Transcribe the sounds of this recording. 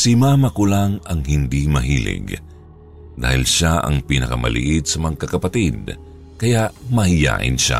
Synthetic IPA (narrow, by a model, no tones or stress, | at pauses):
sɪmamɐkʊlaŋɐŋhɪnd̪imɐɦḭlɪ̰ɡ | d̪a̰ːhɪlʃaʔɐ̰ŋpinɐkɐmɐ̰lɪ̰ʔid̪̚sɐmɐkɐkɐpɐt̪id̪̚ | kɐjaʔmɐhɪja̰ːʔɪ̰nʃa̰